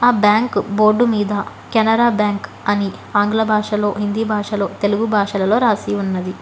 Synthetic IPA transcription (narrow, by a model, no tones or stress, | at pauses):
aːbjaːŋkbo̞ːɾɖumiːd̪ɐ | kɐnɐɾaːbjaːŋk | ɐniaːŋɡlɐbʱaːʂɐlo̞ːɦind̪iːbʱaːʂɐlo̞ːt̪e̞luɡubʱaːʂɐlɐlo̞ːɾaːsiunːɐd̪i